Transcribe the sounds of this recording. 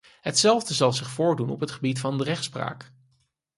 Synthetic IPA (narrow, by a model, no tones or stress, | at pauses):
ɦətsɛlˠvdəzɑlˠzɪχfʊːɹdunɔ̰pɦətχəbitfɑndərɛχtspra̰ːk